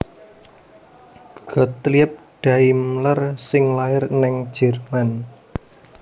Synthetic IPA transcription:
ɡ̥ɔ̤t̪liəp̚ɖ̥a̤imlərsɪŋlaɪrnɛŋ̥ʒ̥ɛ̤rman

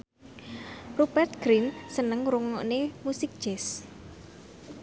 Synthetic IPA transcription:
rubɛrt̪̚ɡ̥ɾinsənəŋɾuŋɔʔnemusɪk̚d̥ʒ̥ɛs

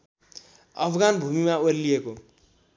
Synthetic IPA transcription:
ʌ̰pʰɡanbʱumimaoɾilieko

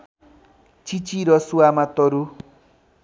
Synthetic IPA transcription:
t͡ʃit͡ʃiɾɔsuamãt̪ɔɾu

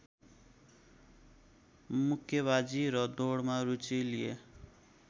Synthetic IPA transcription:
mukʰjʌβad͡ziɾʌd̪oɽmaɾut͡silie

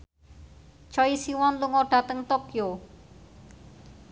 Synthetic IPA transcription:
t͡ʃɔisiwɔnluŋɔɖ̥ä̤t̪əŋt̪okjo

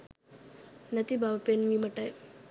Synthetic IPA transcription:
nɐt̪ibʱabapenmimɐʈaj

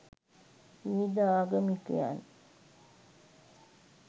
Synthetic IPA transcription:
id̪aaːɡəmikəja̰n

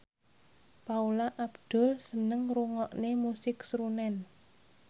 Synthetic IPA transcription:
paulaʔabd̪̥ɔ̤lsənəŋruŋɔʔnemusɪksɾunɛn

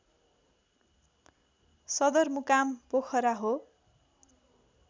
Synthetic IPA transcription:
sʌd̪ʌrmukampokʰʌɾaɦo

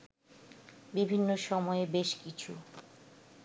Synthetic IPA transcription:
bibʱinːoʃɔmɔebeʃkit͡ɕʰṵ

